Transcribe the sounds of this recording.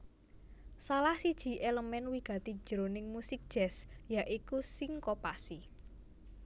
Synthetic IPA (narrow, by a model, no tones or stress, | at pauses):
salahsid̥ʒ̥i̤ʔeləmɛnwiɡ̥a̤t̪i̥d͡ʒ̥ɾonɪŋmusɪk̚d̥ʒ̥ɛsjaʔikusɪŋkopasi